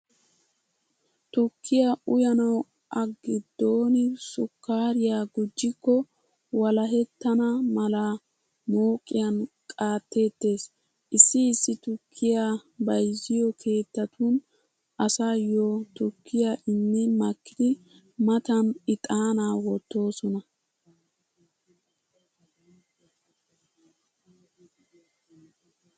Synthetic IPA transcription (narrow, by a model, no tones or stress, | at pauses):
t̪ʊkʰːɪjaʊjɐnɐw | ʔɐɡːɪd̪ːo̞ːnɪsʊkːaːɾɪjaɡʊd͡ʒːɪkːɔ | wɐlɐɦɛt̪ːɐnɐmɐla | mo̞ːkʼːɪjɐn | kʼaːt̪ːe̞ːt̪ːe̞ːs | ʔɪsːɪːsːɪt̪ʊkʰːɪjabɐjzːɪjɔkʰe̞ːt̪ːɐt̪un | ʔɐsaːjot̪ʊkʰːɪjaːʔɪnːɛmɐkːɪd̪ɪ | mɐt̪ɐnɪt̪ʼaːnaːwɔt̪ːo̞ːsɔnɐ